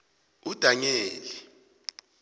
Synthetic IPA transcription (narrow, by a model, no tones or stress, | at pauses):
ud̥ʱaɲeːli